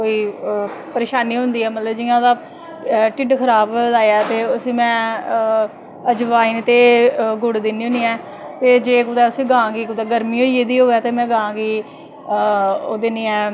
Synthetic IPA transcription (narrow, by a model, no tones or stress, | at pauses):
koːiːpəɾeːʃaːniːɦʊ̃nd̪iːɛːmət̪ləbd͡ʒɪjãːd̪aː | ʈɪɖkʰəɾaːbd̪aːjaːt̪eːʊsĩːmɛ̃ː | əd͡ʒʋaːiːnt̪eːɡʊɽd̪ɪniːɦõːniːɛː | t̪eːd͡ʒeːkʊd̪ɛːʊsĩːɡãːɡiːkʊd̪ɛːɡəɾmiːɦoːieːd̪iːɦoːɛːt̪eːmɛ̃ːɡããːɡiː | oːd̪eniːɛː